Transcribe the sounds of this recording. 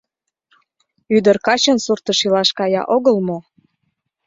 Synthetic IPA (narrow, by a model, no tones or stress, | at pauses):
yd̪ərkɑt͡ɕənsurt̪əʃilɑʃkɑjɑ̰ʔoɣəlmo